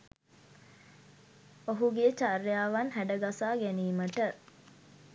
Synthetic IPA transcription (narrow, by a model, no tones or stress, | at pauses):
oɦuɡet͡ʃarjaːʋɐnɦæɖəɡasaːɡæniːməʈə